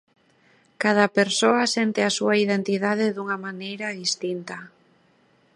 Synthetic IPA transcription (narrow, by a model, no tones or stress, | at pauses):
kað̞apeɾsoasent̪easuaiðent̪iðaðeðuŋamanejɾaðist̪int̪a